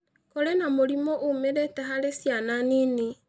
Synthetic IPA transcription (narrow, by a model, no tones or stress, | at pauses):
kɔɾɛnamoɾimɔʔomeɾetɛɦaɾesjananini